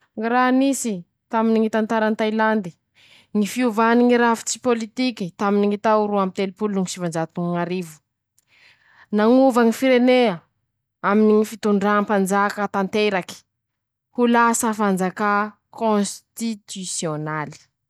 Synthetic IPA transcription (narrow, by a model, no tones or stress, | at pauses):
ŋɾaɦnisi | t̪aminiŋit̪ant̪aɾant̪ajland̪i | ŋifiuvaniŋiɾafi̥t͡si̥polit̪ikit̪aminiŋit̪aɾuamit̪elpulunuŋisivand͡ʒat̪uŋŋaɾivu̥ | naŋuvaŋifiɾeneə | aminiŋifit̪uɳɖ͡ʐampand͡zakət̪ant̪eɾaki̥ | hulasəfand͡zaka | kõst̪it̪ysionali̥